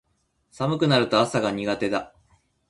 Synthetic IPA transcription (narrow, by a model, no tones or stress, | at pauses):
samɯ̟kɯ̟naɾɯ̟t̪o̞asaɡaɲ̟iɡat̪e̞d̪a